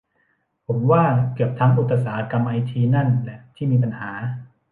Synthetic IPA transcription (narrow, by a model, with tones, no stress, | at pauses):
pʰo˩˦mwaː˥˩kɯ˨˩əp̚t̪ʰaː˧˥ŋʔu˨˩t̪ʰːa˨˧saː˩˦ʔa˧ka˧mʔa˧jt̪ʰiː˧na˥˩nlɛ˨˩t̪ʰiː˥˩miː˧p̬a˧nhaː˩˦